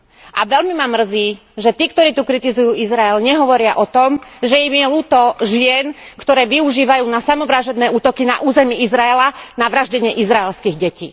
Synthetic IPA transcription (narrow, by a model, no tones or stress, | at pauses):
ʔaʋɛlmimamr̩ziː | ʒɛt̪iːkt̪ɔɾiːt̪ukɾit̪izujuːizɾaɛlɲɛɦɔʋɔɾɪaʔɔt̪ɔmʒɛimjɛluːt̪ɔʒɪɛnkt̪ɔɾɛːʋiuʒiːʋajuːnasamɔʋɾaʒɛd̪nɛːuːt̪ɔkina̰ʔuːzɛmiizɾaɛlanaʋɾaʒɟɛɲɪɛʔizɾaɛlskiːɣɟɛcḭː